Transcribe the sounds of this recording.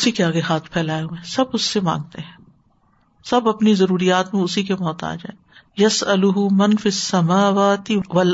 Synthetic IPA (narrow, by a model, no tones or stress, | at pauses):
ʊsikeaːɡeɦaːt̪ʰpʰɛːlaːeɦuẽːsɐbʊsːemã̰ːŋɡ̚t̪eɦɛ̃ː | sɐbɐpnizɐɾuːɾijaːt̪mẽʊsikemɔːt̪a̰ːd͡ʒa̰ːe | jɐsɐlʊɦʊmɐnfisːɐmaːwaːt̪ɪʋɐl